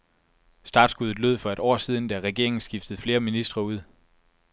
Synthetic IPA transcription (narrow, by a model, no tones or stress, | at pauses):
sd̥ɑ̰̈ːd̥sɡ̥uðˠð̩ˠløð̞̰ˠfɒ̽e̝ɾ̥ɒ̰ːsiːð̞ˠn̩d̥æʁɛɡ̥e̝ɐeŋn̩sɡ̥ifd̥əð̞̩ˠfle̝ːɐminisd̥ʁɐuð̞̰ˠ